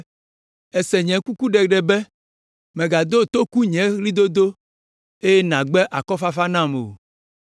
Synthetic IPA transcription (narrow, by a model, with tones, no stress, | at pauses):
ɛ˨sɛ˨ɲɛ̃˨ku˦ku˦ɖɛ˨ɖɛ˨bɛ˦ | mɛ̃˨ɡa˨d̪o˦˨t̪o˦ku˦ɲɛ̃˨˦li˦d̪o˦d̪o˦ | e˦jɛ˦nã˨ɡ͡bɛ˦ʔa˨kɔ˦fa˦fa˦nã˦m˨o̰˨